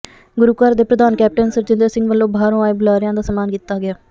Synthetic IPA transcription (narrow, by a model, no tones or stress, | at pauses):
ɡʊɾuːkaːɾd̪eːpɾəd̪aːnkɛːp̚ʈənsəɾt͡ʃɪnd̪əɾsɪ̃ŋɡʋəlːõːbʱaːɾõːaːebʊlaːɾɪjãːd̪aːsəmaːnkiːt̪ːaːɡɪaː